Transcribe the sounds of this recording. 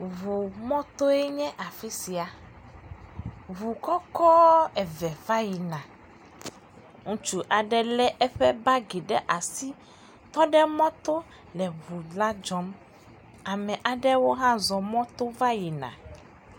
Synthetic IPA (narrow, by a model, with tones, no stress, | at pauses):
vu˨mɔ̃˦t̪o˦ɛ˦ɲɛ̃˦ʔa˨fi˦si˨a˨ | vu˨kɔ˦kɔ˦ɛ˨vɛ˨va˦ji˨nã˨ | ŋũ˦t͡ʃu˦ʔa˨ɖɛ˦lɛ˦ʔɛ˦ɸɛ˦ba˦ɡi˨ɖɛ˦ʔa˨si˦ | t̪ɔ˦ɖɛ˦mɔ̃˦t̪o˦ | lɛ˨βu˨la˦d͡ʒɔ˦m | a˨mɛ̃˨ʔa˨ɖɛ˦wo˦ɦã˦zɔ˨mɔ̃˦t̪o˦va˦ji˨nã̰˨